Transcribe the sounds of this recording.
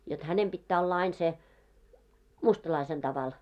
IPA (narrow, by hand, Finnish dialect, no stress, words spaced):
jot hænem b̥itːæː olːɑ ɑin se mustɑlɑisen tɑʋɑl